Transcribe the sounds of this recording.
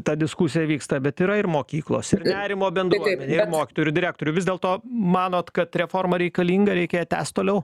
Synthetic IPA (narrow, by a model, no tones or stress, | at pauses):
t̪ɑd̪ʲɪskusʲɪjɛʋʲiːkst̪ɐbʲɛt̪iːɾɐɪɾmoːkʲiːklˠo̰ːsɪrnʲæːɾʲɪmoːbʲɛnd̪uɔɛnʲeːɪɾmoːkʲɪ̥t̪oːjʊɾd̪ʲɪɾʲæːk̚t̪oːɾʲʊʋʲɪzd̪ʲeːlˠt̪oːmɑːnoːt̪kɐt̪ɾʲɛfoːrmɐɾʲɛɪkɐlʲiːŋɡɐɾʲɛɪkʲeːjɛtʲæ̰ːst̪t̪oːlʲɛʊ